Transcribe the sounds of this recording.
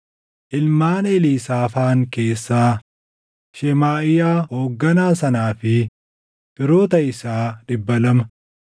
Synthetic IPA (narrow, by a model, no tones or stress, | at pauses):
ʔɪlmaːnɛliːsaːfaːŋke̞ːsːaː | ʃɛmaːʔɪjaːho̞ːɡːɐnaːsɐnaːfɪ | b̥ɪɾoːt̪ɐɪsaːᶑɪbːɐlɐmɐ